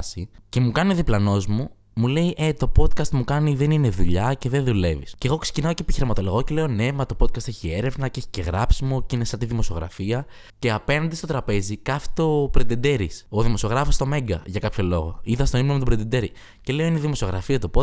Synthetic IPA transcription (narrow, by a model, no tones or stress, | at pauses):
sice̞mukɐnioðiplɐno̞zmu | mule̞iʔe̞t̪o̞po̞t̪̚kɐst̪mukɐniðe̞nine̞ðuʎɐce̞ðeðule̞vḭsce̞ɣokse̥cinɐocepiçiɾimɐt̪o̞lo̞ɣo̞ce̞le̞one̞mɐt̪o̞po̞t̪kɐst̪e̞çie̞ɾe̞vnɐce̞çi̥ce̞ɣɾɐpsimocinesɐt̪iðimo̞sio̞ɣɾɐ̰fiɐ | ce̞ɐpe̞nɐnd̪ist̪o̞t̪ɾɐpe̞zikɐfi̥t̪o̞pɾend̪ed̪e̞ɾisoðimo̞sio̞ɣɾɐfost̪o̞me̞ŋɡɐ̰ʝɐkɐpço̞lo̞ɣo̞̰iðɐst̪oimnomt̪obɾend̪ed̪e̞ɾi | ce̞le̞oineðimo̞sio̞ɣɾɐfiɐt̪op